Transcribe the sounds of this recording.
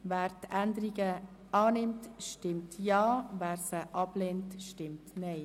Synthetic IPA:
væːɾtɛndəɾiɡəɑːnɪmtʃtɪmtjɑːvæːɾsəʔɑbleːntʃtɪmtnɛɪ

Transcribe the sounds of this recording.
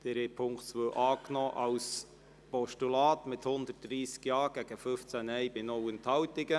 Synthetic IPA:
d̥ɛɾɛpʰʊŋktsʋəwʔɑːknɔːʔɑws | pɔʃtulɑːt̪mɪthʊnd̪ət̚d̥ɾiːskjɑːɡ̥æɡ̥əfɵft͡sænɛjbɪnɔwənt̪hɑwtɪɡə

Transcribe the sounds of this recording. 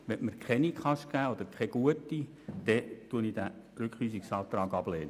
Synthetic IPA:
ʋɛməɾkʰχɛnikχɑʃɡ̥æːɔd̪əɾkʰɛɡ̥uətːi | d̥̪ɛtuənidæ | ɾʏkχlyːsiksɑːt̪ɾɑːɡɑb̥leːnə

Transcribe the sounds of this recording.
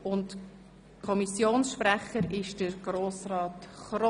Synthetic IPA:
ʊnt | kʰɔmisjoːnsʃpræχəɾɪʃd̥əɾɡ̥ɾoːsrɑːtχɾɔ

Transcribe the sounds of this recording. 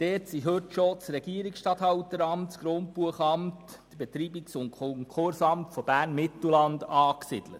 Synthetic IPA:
d̥ɛːtsiɦɵtʃot͡sɾɛɡ̥iəɾiksʃtɑthɑwtəɾɑmtsɡ̥ɾont̚puəχɑmt | d̥əb̥et̪ɾiːbiksʊnkʰɔŋkʰʊɾsɑmtfɔb̥æːrnmɪt̪l̩lɑndɑːksɪd̥lə̰t

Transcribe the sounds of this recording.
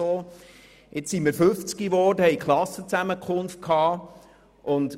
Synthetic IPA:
oː | ʔɪt͡ssiməɾfʏft͡skiʋɔːdəhɛɪkχlɑsət͡sæməkʰχʊnft̚kʰhɑː | ʔʊnd

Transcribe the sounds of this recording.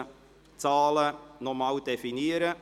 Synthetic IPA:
t͡sɑːlənɔmɑːld̥efiniəɾə

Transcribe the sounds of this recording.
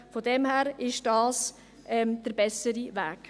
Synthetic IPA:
fɔdɛmhæːɾɪʃd̥ɑːs | ʔɛmd̥əɾbɛsəɾivæːk

